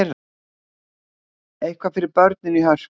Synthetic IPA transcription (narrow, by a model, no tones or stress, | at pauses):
ɾ | ejhkʰvafɪɾɪɾpœɾt̪̚nɪnɪɦœs